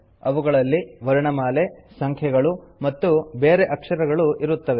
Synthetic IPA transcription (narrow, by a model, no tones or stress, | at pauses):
ɐʋuɡɐɭɐlːiʋɐɾɐɳɐmaːle̞sɐŋkʰjɛɡɐɭumɐt̪ːube̞ːɾeʔɐkʂɐɾɐɡɐɭuʔiɾut̪ːɐʋe